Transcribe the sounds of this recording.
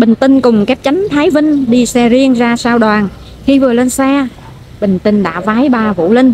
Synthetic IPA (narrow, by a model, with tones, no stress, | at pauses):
ɓï˨˩ŋ̟t̪ï˧ŋ̟kʊ˨˩ŋ͡mka˦˥p̚t͡ɕa˨˦jŋ̟t̪ʰaː˨˦jvï˧ŋ̟ɗi˧sɛ˧zi˧ənzaː˧saː˧wɗwaː˨˩n | xi˧vɨ˨˩əle˧nsɛ˧ | ɓï˨˩ŋ̟t̪ï˧ŋ̟ɗa̰ː˧˥vaː˨˦jɓaː˨˩vṵ˧˥lə˧n